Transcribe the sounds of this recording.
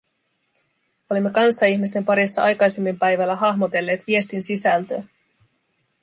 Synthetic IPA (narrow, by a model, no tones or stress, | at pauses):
o̞limːe̞kɑnsːɑiçmist̪e̞mpɑɾisːɑɑjkɑjse̞mːimpæjʋælːæɦɑhmo̞t̪e̞lːe̞ːt̪ʋie̞st̪insisælt̪øː